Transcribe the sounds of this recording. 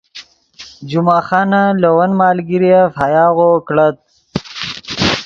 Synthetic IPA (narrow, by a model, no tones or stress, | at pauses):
d͡ʒumɑːxɑːnalɐwɐnmɑːlɡiɾijafajɑːɣokɽat̪̚